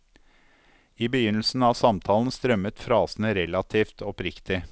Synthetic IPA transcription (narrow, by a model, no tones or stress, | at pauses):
iːbəjʏnl̩sn̩ɑːʋsɑmt̪ʰɑːln̩st̪ɾœmət̪fɾɑːsn̩əɾɛlɑt̪ʰiːft̪ʰɔpɾɪkt̪ɪ